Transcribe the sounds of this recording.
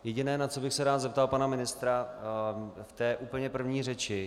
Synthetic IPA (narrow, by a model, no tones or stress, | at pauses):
jɛɟɪnɛːnat͡so̞bɪxsɛɾaːd̪zɛp̚t̪alpanamɪnɪst̪ɾa | ft̪ɛːʔuːpl̩ɲɛpr̩vɲiːrɛt͡ʃɪ